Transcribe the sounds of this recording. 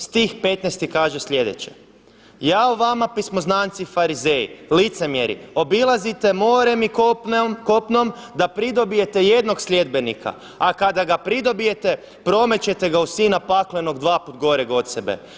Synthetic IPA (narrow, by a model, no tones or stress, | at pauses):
st̪iːxpe̞t̪nejst̪ikaːʒesʎʲe̞d̪et͡ɕḛ | jaːoʋamapismo̞znaːnt̪sifaɾize̞jḭlit̪se̞mjeɾḭo̞bilˠazit̪e̞moːɾemikko̞pnomd̪apɾid̪o̞bije̞t̪ejed̪no̞ɡslʲe̞d̪be̞nikʰa̰ | akad̪aɡapɾid̪o̞bije̞t̪e | pɾo̞me̞t͡ɕe̞t̪e̞ɡausiːnapakleno̞ɡd̪ʋaːput̪ɡo̞ɾeɡo̞t̪sebḛ